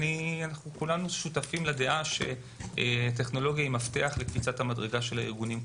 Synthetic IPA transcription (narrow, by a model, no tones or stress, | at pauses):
nianaχnukulanuʃutafimladeʔaʃe̞̰ | t̬e̞χno̞lo̞ɡjaimafte̞aχlekfit͡sathamadʁeɡaʃe̞lha̰ḭʁɡunim